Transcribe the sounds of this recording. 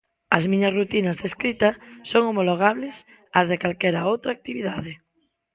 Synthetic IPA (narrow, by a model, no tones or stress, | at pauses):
ɐzmĩɲɐsrut̪inɐzðeskɾit̪ɐsoŋomoloɣ̞aβles | ɐzðekalkɛɾaowt̪ɾaːk̚t̪iβiðaðe